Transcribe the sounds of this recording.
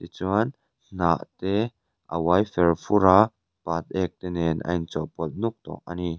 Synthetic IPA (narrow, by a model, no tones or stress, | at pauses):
t̪it͡suan | n̥a̰ʔt̪ɛ | ʔə̰wajfɛrfuɾa | pat̪̚ɛk̚t̪ɛnɛnʔɐ̰nt͡sɔpɔlt̪̚nuk̚t̪ɔ̰k̚ʔa̰ni